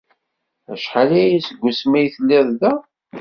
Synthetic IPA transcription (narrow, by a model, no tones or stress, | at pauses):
æ̰ʃħalæjæsəɡʷːʊsmæjθəlːɪðˤðæ